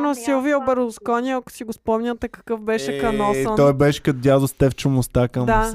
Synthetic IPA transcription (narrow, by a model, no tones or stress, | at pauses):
nosilˠviɛobɛɾlˠʊskɔnʲiɐkʊ̥siɡʊspɔmnʲət̪ɛkɐ̥kɤfbɛʃɛkɐnɔsənɔjbɛʃɛ̥kɐt̪d̪ʲjad̪ʊst̪ɛft͡ʃʊmʊst̪akɐmd̪a